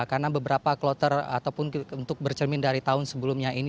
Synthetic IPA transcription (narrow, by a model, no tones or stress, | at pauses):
karnabəbəɾapaklot̪əra̰t̪awpʊnunt̪ʊk̚bərt͡ʃəmɪndaɾit̪aʊnsəbəlumɲain